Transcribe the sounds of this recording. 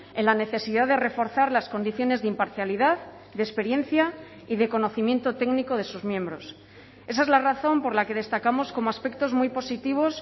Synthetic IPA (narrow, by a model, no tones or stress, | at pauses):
enlane̞θe̞siðaðe̞re̞fo̞ɾθaɾlasko̞nd̪iθjo̞ne̞zðimpaɾθjaliðað | ðespe̞ɾje̞n̟θja | iðe̞ko̞no̞θimje̞nt̪o̞t̪e̞ɡniko̞ðe̞suzmje̞mbɾo̞s | e̞s̬aezlaraθo̞mpo̞ɾlake̞ð̞e̞st̪akamo̞sko̞moaspe̞k̚t̪o̞zmujpo̞sit̪iβ̞o̞s